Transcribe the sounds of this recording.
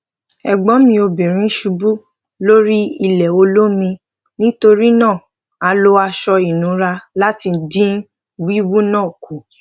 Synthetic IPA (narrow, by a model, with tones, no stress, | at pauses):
ɛ˨ɡ͡bɔ˨˦mĩ˧o˧bi˨ɾ̃ĩ˨˦ʃu˧bu˦ | lo˦ɾi˦i˧lɛ˨o˧lo˦mĩ˧ | nĩ˦to˧ɾi˦nãː˦˨ | a˧lo˦a˧ʃɔ˧i˨nũ˨˦ɾa˧la˦ti˧n̩˦dĩ˦n˦ | wi˦wu˦nãː˦˨ku˨